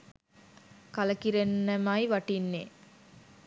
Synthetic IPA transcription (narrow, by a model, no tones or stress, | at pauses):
kaləkiɾenːəmajʋaʈinːe